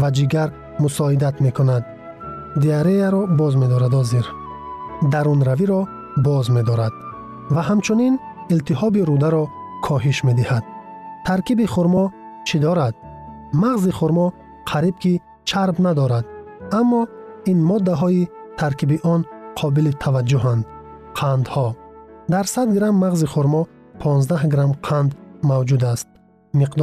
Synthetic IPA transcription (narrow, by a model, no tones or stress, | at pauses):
vad͡ʒiɡaɾ | musɔid̪at̪me̞kʰunad̪ | d̪iaɾejaɾɔbɔzme̞d̪ɔɾad̪ɔziɾ | d̪aɾunɾaviɾɔ | bɔzme̞d̪ɔɾad̪̥ | vaɦamt͡ʃʰunin | ilt̪iɦɔbiɾud̪aɾɔ | kʰɔɦiʃme̞d̪ihad̪̥t̪ʰaɾkibiχuɾmɔt͡ʃʰid̪ɔɾad̪̥ | maʁziχuɾmɔ | qʰaɾib̚kʰi | t͡ʃʰaɾbnad̪ɔɾad̪ | amːɔinmɔd̪ːaɦɔit̪ʰaɾkʰibiʔɔnqʰɔbilit̪ʰavad͡ʒːuɦand̪ | qʰand̪hɔd̪aɾsad̪ɡɾamːaʁziχuɾmɔ | pʰɔnzd̪ahɡɾamqʰand̪mavd͡ʒud̪ast̪̚ | miqd̪